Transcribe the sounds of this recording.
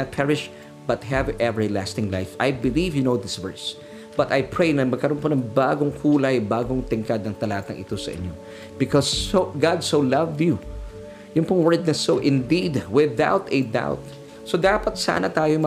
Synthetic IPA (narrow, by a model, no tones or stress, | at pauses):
ɐt̪̚pʰɛɹɪʃ | b̥ɐt̪̚ɦɛvʔɛvə˞la̰st̪ɪ̃ŋla̰jfʔajbɪlivjʊnowðɪsvɛ̰ɹs | b̥ɐt̪ajpʰɹejnɐmɐɡ̚kɐɾonponɐŋbaːɡoŋkʰuːlɐjbaːɡoŋt̪ɪŋkad̪nɐŋt̪ɐlaːt̪ɐŋʔɪ̰t̪o̞sɐ̰ʔɪ̰ɲjo̰ | b̥ɪkɔsoɡɑd̪̚solɐvd̪ju | jʊŋpʊŋwɛɹd̪̚nɐsoʔɪ̃nd̪id̪wɪða̰wt̪ɛd̪a̰wt̪̚ | sod̪aːpɐt̪sa̰ːnɐt̪aːjomɐ